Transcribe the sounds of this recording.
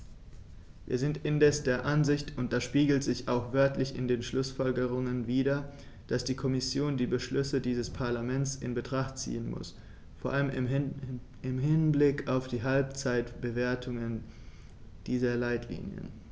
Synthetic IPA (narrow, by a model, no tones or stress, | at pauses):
vḭːɐzɪntɪndɛsd̥eːɐʔanzɪçtʊntd̥aʃpiːɡl̩tz̥ɪçaʊxv̥œɐtʰlɪçɪ̰ndeːnʃlʊsfɔlɡəʁ̞ʊŋənviːɾɐ | d̥asd̥iːkʰɔmɪsjoːndiːbəʃlʏsədiːzəspʰaɐlamɛnt͡sɪ̰nbətʁ̥aχtt͡sḭːənmʊ̰s | foːɐʔaləmɪ | ɪmɦɪnblɪkaʊfd̥iːɦalp̚t͡saɪtb̥əveːɐtʰʊŋən | d̥iːzɐlaɪtʰlḭːnjə̰n